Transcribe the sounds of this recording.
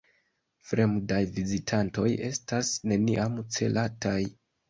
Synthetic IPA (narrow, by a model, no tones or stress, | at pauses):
fɾe̞mdajvizitʰanto̞je̞stasne̞niʔamt͡se̞̰lʔatʰaj